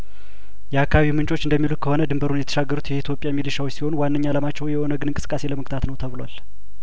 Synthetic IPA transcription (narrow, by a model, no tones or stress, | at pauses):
jɛakʰːaaβimɨnt͡ʃʼo̞t͡ʃːɨnd̪əmːilut̪̚kʰəho̞nəd̪ɨmbəɾunjɛt̪ʰə̥ʃaɡːəɾut̪jɛit̪ʰjo̞pʼjamːilɨʃawsiho̞nwanːəɲːaləmat͡ʃːɛwjɛhonəɡɨnɨŋkʼɨsɨ̥kʼːase̞ləmək̚t̪ʰat̪nəwt̪ʰəβɨlal